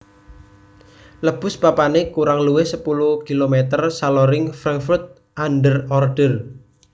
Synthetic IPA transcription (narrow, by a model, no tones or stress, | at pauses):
ləb̥ʊ̤spapanekuɾaŋluwehsəpuluhkilomet̪ərsalɔɾɪŋfɾaŋkfurt̪̚ | anɖərɔrɖ̥ər